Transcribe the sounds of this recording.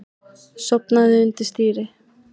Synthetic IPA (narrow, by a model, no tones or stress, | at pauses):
sɔpnaðɪʏnt̪ɪst̪iːɾɪ